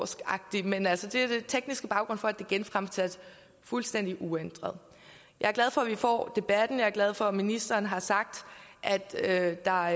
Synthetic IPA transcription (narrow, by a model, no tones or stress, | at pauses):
sɡ̥ɑ̈ɡ̥̚d̥imenælsəd̥e̝æɐd̥e̝t͡sʰeɡ̥nisɡ̥əb̥ɑ̈ʊɡ̥ʁɔ̽n̰fɒ̽æd̥e̝ɡ̥enfʁamsæd̥ | fulsd̥en̰d̥iʔuend̥ʁɐð̩ˠ | jɑ̈æɐɡlæð̞ˠfɒ̽ʋifɒ̰ːd̥e̝b̥æd̥n̩jɑ̈ːɐɡ̥lɛð̞ˠfɒ̽minisd̥ɐːnɦɑ̈sɑ̈ɡ̥̚d̥ʔæd̥ød̥ɑ̈